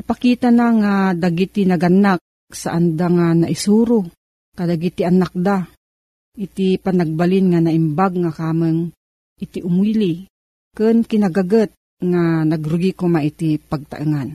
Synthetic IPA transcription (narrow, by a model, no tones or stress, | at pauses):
ipakiːt̪anaŋad̪aɡit̪inaɡanak̚ | sa̰ʔand̪aŋanaʔisuːɾu | kad̪aɡit̪iʔanak̚d̪a | ʔit̪ipanaɡ̚balɪnŋanaʔɪmbaɡ̚ŋakaːmɨŋ | ʔɪt̪iʔʊmwili | kɨnkɪnaɡaɡət̪̚ | ŋanaɡɾʊɡikʊmaʔit̪ipaɡ̚t̪a̰ʔɨŋan